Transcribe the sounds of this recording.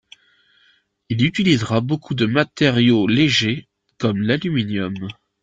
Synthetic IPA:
ilyt̪ilizʁabokʰud̪əmat̪eʁjoleʒe | kɔmlalyminjɔm

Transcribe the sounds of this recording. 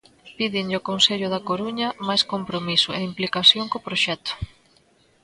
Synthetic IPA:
piðɪɲʎokonseʎʊðɐkoɾuɲɐmajskompɾomisʊeimplikasjoŋkopɾoʃɛt̪ʊ̥

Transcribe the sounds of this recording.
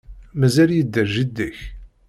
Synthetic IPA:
mæzæljəd̪ːæʒid̪ːiç

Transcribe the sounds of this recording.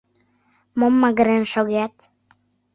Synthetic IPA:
mɔmːaɡɾɛnʃɔɡɛt̪

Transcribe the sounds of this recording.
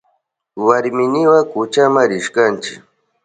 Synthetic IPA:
waɾmɪnɪwakʊt͡ʃamaɾɪʃkant͡ʃɪ̰k

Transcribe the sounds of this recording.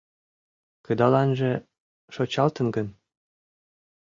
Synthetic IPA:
kəd̪ɑlɑnʒĕ | ʃot͡ɕɑlt̪ənɡən

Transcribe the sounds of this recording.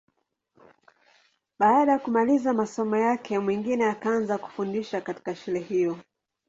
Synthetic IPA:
ɓaaɗajakumalizamasɔmɔjakʰɛmwiŋɡinɛjakaanzaku̥fundiʃakati̥kaʃulɛhijɔ

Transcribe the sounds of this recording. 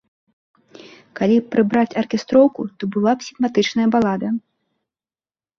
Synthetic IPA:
kalʲipɾɨbɾat͡sʲɐrkʲɛst̪ɾɔwkut̪ɔbɨlˠapsʲiɣmat̪ɨt͡ʂnɐjɐbalˠad̪ɐ

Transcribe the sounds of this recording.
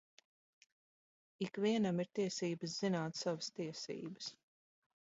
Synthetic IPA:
ikviɛnamiɾt̪iɛsiːbəs̬z̥inaːt̪savəst̪iɛsḭːbəs

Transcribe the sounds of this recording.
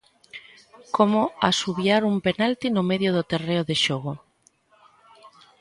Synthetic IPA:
komoasuβjaɾumpenalt̪inomeðjoðʊt̪ereoðeʃoɣ̞o

